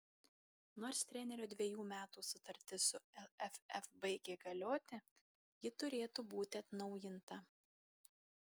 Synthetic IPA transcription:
noːɾst̪ʲɾʲɛnʲɛɾʲoːd̪ʲʋʲiɛjuːmʲæːt̪uːsʊt̪ɐɾʲt̪ʲɪsʊɛɛfʲɛfbɐɪɡʲeːɡɐlʲoːt̪ʲɪ | jɪt̪ʊɾʲeːt̪uːbuːt̪ʲɪɐt̪nɒʊjɪnt̪ɐ

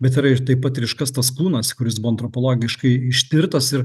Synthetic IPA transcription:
bʲɛt̪ɪɾɐɪɾt̪ɐɪpːɐt̪ɾʲɪʃkɐst̪ɐsklˠuːnɐskʊɾʲɪsbʊʋoɐnt̪ɾopoːlˠoːɡʲɪʃkɐɪɪʃʲt̪ʲɪɾt̪ɐsɪɾ

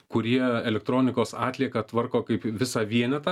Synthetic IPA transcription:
kʊɾʲiɛɛlʲɛk̚t̪ɾoːnʲɪkoːsɑːt̪ʲlʲiɛkɐt̪ʋɐrkoːkɐɪpʋʲɪsɑːʋʲiɛnʲɛt̪ɐ

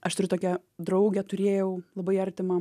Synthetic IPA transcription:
ʔɐʃt̪ʊɾʲʊt̪oːkʲɛ | d̪ɾɐʊɡʲɛt̪ʊɾʲeːjɛʊlˠɐbɐɪɐɾʲt̪ʲɪmɐ

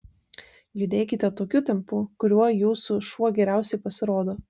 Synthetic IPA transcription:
jʊd̪ʲeːkʲɪt̪ʲɛt̪oːkʲuːt̪ʲɛmpukʊɾʲuɔjuːsʊʃuɔɡʲɛɾʲæˑʊsʲɛɪpɐsʲɪɾoːd̪oː

